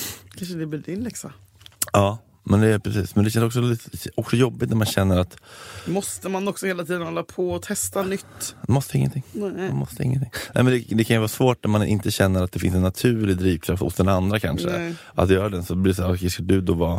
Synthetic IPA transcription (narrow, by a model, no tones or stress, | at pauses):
kʰanʂəd̪ɛblɪld̪ɪnlɛksa | ɑː | mɛnd̪ɛpʰɾɛsḭːsmɛnd̪ɛɕɛnsɔksɔliɔksɔjɔbːɪt̪næɾmanɕɛnːəɾat̪mɔst̪əmanɔksɔheːlat̪ʰiːd̪ənhɔlːapʰɔɔt̪ʰɛst̪anʏt̪ːmɔst̪əɪŋːə̰t̪ʰɪŋːanmɔst̪əɪ̰ŋːənt̪ʰɪŋːnɛ̰ːmɛnd̪ɛd̪ɛkʰanjəvɑːsvoːʈ̚næɾmanʔɪ̰nt̪əɕɛnːəɾat̪̚d̪ɛfɪnsɛnːat̪ʰʉ̟ːɭɪd̪ɾiːvkʰɾaft̪hʊ̰sd̪ɛnand̪ɾakʰa̰nʂə̰ | ʔa̰t̪jœːɾad̪ɛnsɔbliːɾsaːɾɔʂkad̪ɵd̪ɔvɑː